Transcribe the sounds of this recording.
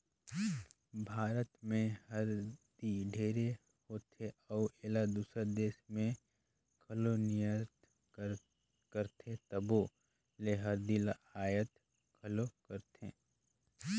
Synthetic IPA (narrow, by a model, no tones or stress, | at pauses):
bʱaːɾət̪mẽhəɾd̪iɖʱeːɾe | hoːt̪ʰeəueːlad̪uːsəd̪eːʃmẽ | kʰɐlonijət̪ | kəɾt̪ʰẽt̪əbo | leɦəɾd̪ilaaːjət̪ | kʰɐlokəɾt̪ʰḛ̃ː